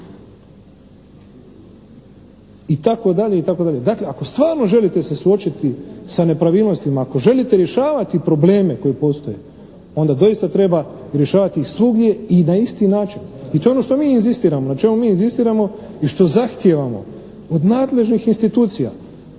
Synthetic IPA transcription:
it̪ako̞d̪aʎeit̪ako̞d̪aʎʲe̞d̪akleako̞st̪ʋaːɾno̞ʒe̞lit̪e̞sesuo̞t͡ʃit̪isane̞pɾaʋiːlno̞st̪imaːko̞ʒe̞lit̪eɾje̞ʃaːʋat̪ipɾo̞ble̞ːme̞ko̞jpo̞st̪o̞je | o̞nd̪ad̪o̞ist̪at̪ɾe̞ba | ɾje̞ʃaːʋat̪ixsluɡje̞inaist̪inaːt͡ʃinit̪oeo̞no̞ʃt̪o̞miːnzist̪iːɾamonat͡ʃe̞mumiːnzist̪iːɾamo̞ | iʃt̪o̞zaxt̪je̞ʋamo̞̰ | od̪naːd̪le̞ʒnixinst̪it̪uːt̪sija̰

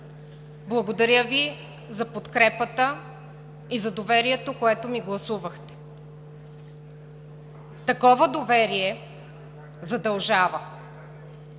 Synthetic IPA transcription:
blˠɐɡod̪ɐɾʲjəvi | zɐpot̪kɾɛpət̪ə | izɐd̪ovɛɾiɛt̪okoɛt̪omiɡlˠɐsuvəxt̪ɛ̥ | t̪ɐkɔvəd̪ovɛɾiɛ | zɐd̪ɐlˠʒavə

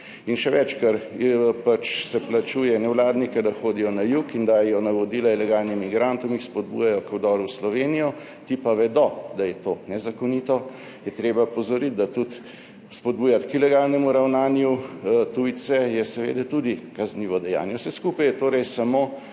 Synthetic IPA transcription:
inʃɛʋɛt͡ʃkɐɾpat͡ʃsɛplat͡ʃuːjɛnɛwlaːd̪nikɛd̪axoːd̪ijɔnajukind̪aːjɛjɔnaʋɔd̪iːlailɛɡaːlnimiɡɾant̪ɔmixspɔd̪̚bṵjajɔkwd̪ɔːɾuwslɔʋeːnijɔ | t̪ipaʋɛd̪ɔd̪ajɛt̪oːnɛzakɔnit̪ɔ | jɛt̪ɾeːbapɔzɔɾit̪̚d̪at̪ut̪ | spɔd̪̚buːjat̪kilɛɡaːlnɛmuɾawnaːnjut̪uj̪sɛjɛsɛʋḛːd̪ɛt̪ud̪ikɐzniːʋɔd̪ɛja̰ːnjɛsɛskuːpajɛt̪oːɾɛjsamoː

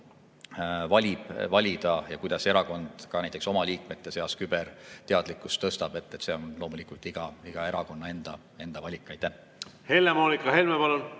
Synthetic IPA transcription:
vɑlʲib̥vɑlʲid̪̥ɑjɑ̰kujd̪ɑse̞ɾɑko̞nd̪̥kɑnæjt̪ekso̞mɑliːk̚met̪ːe̞se̞ɑskyb̥ert̪e̞ɑd̪likːˑust̪ːɤst̪ɑb̥e̞t̪ːet̪ːseo̞nlo̞ːmulikˑult̪ːˑiɡ̥ɑiɡ̥ɑe̞ɾɑko̞nːɑe̞nd̪̥ɑ̰ | e̞nd̪ɑvɑlʲikˑːɑjt̪ːæh | he̞lːemoːnikˑːɑhelmepɑlon

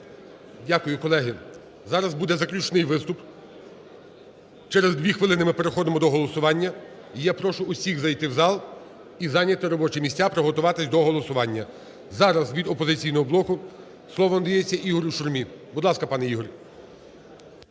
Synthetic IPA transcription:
dʲakʊjʊkɔlˠɛɦɪ | zɑɾɐzbud̪ɛzɐklʲut͡ʃnɪjʋɪst̪ʊp | t͡ʃɛɾezd̪ʲʋʲixʋɪlˠɪnɪmɪpeɾexɔd̪ɪmɔd̪ɔɦɔlˠɔsʊʋɑnʲːɐ | ijapɾɔʃʊʊsʲiɣzɐjt̪ɪwzɑlˠ | izɑnʲɐt̪ɪɾɔbɔt͡ʃimʲisʲtʲapɾɔɦɔt̪ʊʋɑt̪ɪsʲd̪ɔɦɔlˠɔsʊʋɑnʲːɐ | zɑɾɐzʋʲid̪ɔpɔzɪt͡sʲijnɔɦɔblˠɔkʊ | slˠɔʋɔnd̪ɪjet͡sʲːɐʔiɦɔɾʲuʃʊrmʲibʊd̪lˠɑskɐpɑnɛiɦɔɾʲ

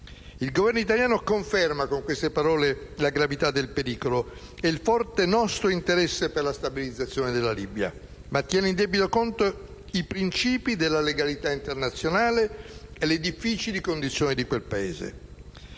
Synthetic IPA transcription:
ilɡovɛrnoit̪aljaːnokoɱfɛrmakoŋkwest̪epaɾɔːlelaɡɾavit̪ad̪ːelpeɾiːkoloeilfɔrt̪enɔst̪ɾoint̪eɾɛsːeperlast̪abilid̪zat̪sːjoːned̪elːalibja̰ | mat̪ːjɛːneind̪ɛbit̪okont̪oipɾint͡ʃiːpid̪elːaleɡalit̪aint̪ernat̪sːjonaːleeled̪ifːit͡ʃilikond̪it̪sjoːnid̪ikwelpaḛːzḛ

